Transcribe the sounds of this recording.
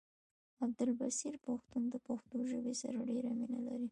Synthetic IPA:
ab̚d̪ʊlbasiɾpaxt̪und̪əpaxt̪oʒəbesa̰ɾaɖeɾaminalaɾi

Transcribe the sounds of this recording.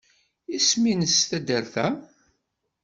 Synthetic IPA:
isminəsθæd̪əɾθæ

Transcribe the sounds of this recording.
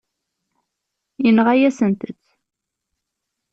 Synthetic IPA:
inʁajæsənt̪ət͡sː

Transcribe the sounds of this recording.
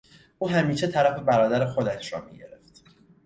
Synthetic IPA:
ʔuːɦæmiːʃet̪ʰæɾæfe̞bæɾɒːd̪æɾexo̞d̪æʃɾɒ̰ːmḭɟe̞̰ɾe̞ft̪

